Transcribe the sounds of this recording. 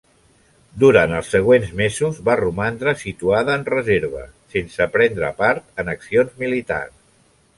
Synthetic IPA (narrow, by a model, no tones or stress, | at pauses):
d̪uɾant̪əlˠsːəɣ̞wenzmezuzβarumand̪ɾəsit̪uaðəːnrəzeɾβə̰sensəpɾɛnd̪ɾə̰paɾt̪ənəksionzmilit̪a̰rs